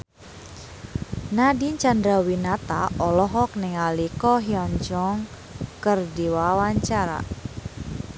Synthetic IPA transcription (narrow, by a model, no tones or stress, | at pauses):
nadiɲt͡ʃandɾawinat̪a̰ʔɔlɔɦɔk̚nɪŋalikɔɦiɔɲd͡ʒɔŋ | kərdiwawaɲt͡ʃaɾa̰